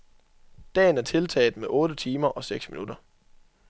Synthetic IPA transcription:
d̥ɛ̰ːn̩æɐt͡sʰe̝lt͡sʰɛ̰ɪð̥̩ˠmeʔɔ̽ːɾ̥ət͡sʰiːmɐʔɒ̽seɡ̥sminud̥ɐ

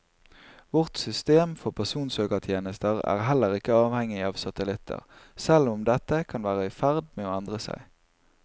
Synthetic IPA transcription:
ʋɔʁt̪sʏst̪eːmfɔʁpʰæʁsuːnsøːkəʁt̪ʰjeːnəst̪əʁæ̰ːʁɦɛlːəʁɪkəɑːʋhɛŋɪɑːʋsɑt̪əlɪt̪ʰə̰ʁsɛlʊmd̪ɛt̪ːəkʰɑnʋæːʁəɪfæʁd̪meːoːɛnd̪ʁəsæ̰ɪ

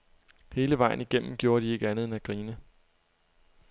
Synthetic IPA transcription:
he̝ːləʋɑ̈ɪ̰n̩iɡ̥em̰m̩ɡ̥jo̝ːɐɾ̥ie̝ɡ̥əænðˠenæɡ̥ʁiːnə

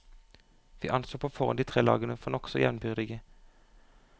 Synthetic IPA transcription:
ʋḭːʔɑnsoːpʰoːfɔʁə̰nd̪iːt̪ʰʁeːlɑ̰ːɡənəfɔnɔksɔjɛʋnbʏʁd̪ɪɡə

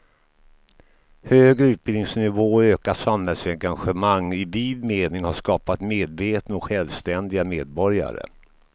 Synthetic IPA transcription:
høːɡɾəʉ̟ːt̪̚bɪlnɪŋsnɪvoːøːkaʂamhɛlsɛŋɡanɧəmaŋːɪviːlmeːnɪŋhaʂkɑːpat̪meːd̪veːt̪nɔkɧɛlvst̪ɛnd̪ɪɡameːd̪̚bɔɾja̰ɾə̰

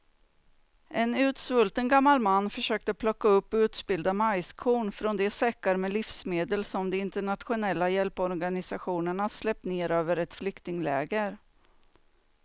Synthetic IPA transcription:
ʔɛnʉ̟ːt̪svɵlt̪ənɡamːalmanːfœʂøːk̚t̪əpʰlɔkːaɵpːʉ̟ːt̪sbɪld̪amajskʰuːɳfɾɔnd̪ɛsɛkːaɾmɛlɪfsmeːd̪əlsɔmd̪ɛɪnt̪əɳat̪ɧʊnɛlːajɛlpɔɾɡanɪsaɧuːnəɳaslɛp̚t̪neːɾøːvəɾɛt̪flʏkt̪ɪŋlɛ̰ːɡəɾ

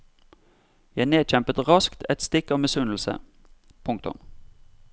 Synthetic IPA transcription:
jæɪneːd̪c͡çɛmpət̪ʁɑskt̪ʰɛt̪st̪ɪkːɑʋmɛsʉnl̩sə̰ | pʰʊŋk̚t̪ʊ̰m

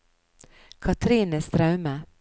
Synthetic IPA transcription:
kʰɑt̪ʰɾiːnəst̪ɾœʉmə

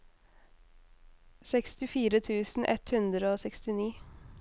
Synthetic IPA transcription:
sɛkst̪ɪfiːɾət̪ʰʉːsn̩ʔɛ̰t̪hʉnd̪ɾəoːsɛkst̪ɪniː

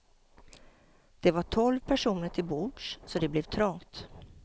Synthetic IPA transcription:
d̪̥ɛvaʈʰɔlvpʰæʂuːnəʈʰɪlbuːɖʂsɔd̪ɛblɛvt̪ʰɾɔŋt̪

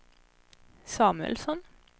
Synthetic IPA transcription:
sɑːmʉə̰lsɔn

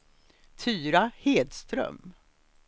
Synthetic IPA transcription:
t̪ʰyːɾaheːd̪st̪ɾœ̰m

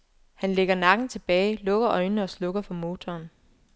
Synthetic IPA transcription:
hænleɡ̥ɐnɑ̈ɡ̥n̩t͡sʰe̝b̥ɛːɪlɔ̽ɡ̥ɐʔɒ̽ɪnnəɒ̽slɔ̽ɡ̥ɐfʰɒ̽mo̝ːt͡sʰɒːn

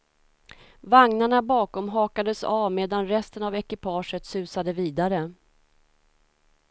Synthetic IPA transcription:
vaŋnaɳabɑːkɔmɦɑːkad̪əsavmeːd̪anɾɛst̪ənavɛkɪpʰɑːʂət̪sʉ̟ːsad̪əviːd̪aɾə

